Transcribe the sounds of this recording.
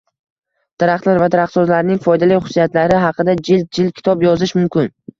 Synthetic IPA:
d̪̥aɾaχt̪laɾvad̪aɾaχt̪sɒzlaɾnɪŋfɒjd̪alɪjχʊ̥sːijat̪laɾɪɦɑqʰɨd̪ad͡ʒɪl̚d͡ʒɪlkʲʰɪ̥t̪ʰɒbjɒzɪʃmʊmkʲɪn

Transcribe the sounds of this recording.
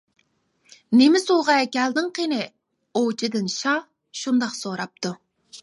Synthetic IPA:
nemɪsuʁɑɛkʲɛld̪ɨŋqʰenɪ | ot͡ʃʰid̪ɪnʃɑ | ʃund̪ɑχsoɾɑp̚t̪ʰu

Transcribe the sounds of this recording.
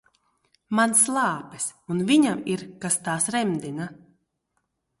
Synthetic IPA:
manslˠɑːpɛsunviɲamiɾkast̪aːsɾɛmd̪ina

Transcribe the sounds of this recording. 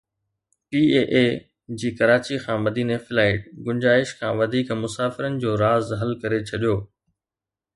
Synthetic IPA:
piːeːʔeː | d͡ʑiːkɐɾaːt͡ɕixʰãːmɐd̪iːnefɪlaːɪʈɡʊ̃ɲd͡ʑaːɪʃkʰãːʋɐd̪ʱiːkmʊsaːfɪɾənɪ̆d͡ʑoːɾaːzɦɐlkɐɾet͡ɕʰɐɗijoː

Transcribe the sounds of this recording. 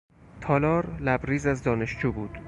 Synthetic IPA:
t̪ʰɒːlɒːɾlæbɾiːzæzd̪ɒːne̞ʃd͡ʒuːbuːd̪̥

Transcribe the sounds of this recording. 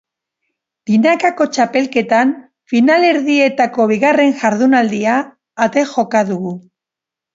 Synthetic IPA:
d̪̥inakako̞t͡ʃape̞lke̞t̪an | finale̞ɾðie̞t̪ako̞β̞iɣare̞nʝaɾðunald̪iaː | t̪e̞xo̞kaðuɣu

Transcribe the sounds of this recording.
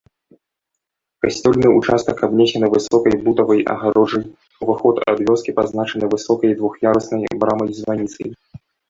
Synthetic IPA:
kasʲt͡sʲɔlʲnɨut͡ʂast̪ɐkabnʲesʲɛnɨvɨsɔkɐjbut̪ɐvɐjʔɐ̰ɣaɾɔʐɐj | uvaxɔt̪a̰d̪vʲɔskʲipaznat͡ʂɐnɨvɨsɔkɐjd̪vuxjaɾɐsnɐjbɾamɐjzvanʲit̪sɐ̰j

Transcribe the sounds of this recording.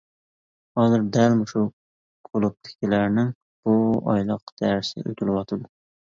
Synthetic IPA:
hɑːzɨɾd̪ælmʊʃu | kʰolˠʊp̚t̪ɪ̥kʲkʲilæɾnɪŋ | b̥uɑ̰jlˠəq̚t̪ʰæɾɪsɪ̰ø̰jt̪ʰʲɪlˠɪwɑt̪ʰɨd̪ɨ

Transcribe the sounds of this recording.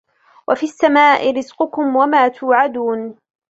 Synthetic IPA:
wʔafisːamaːʔɪɾɪzqʊkʊmwamaːt̪ʊːʕad̪uːn

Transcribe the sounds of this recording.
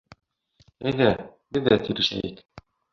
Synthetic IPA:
æjðæbɘðːæt̪iɾɘ̆ʃæ̰jɘk

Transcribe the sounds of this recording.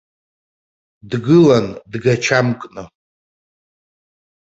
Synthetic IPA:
dɡɨlandɡat͡ʃʰamkʼnɨ

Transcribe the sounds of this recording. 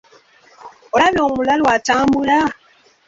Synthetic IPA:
oaβoːmulalwataːmbula

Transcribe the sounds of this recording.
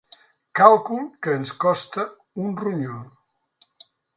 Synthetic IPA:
kalˠkulˠkəːnskɔst̪ə | unruɲo

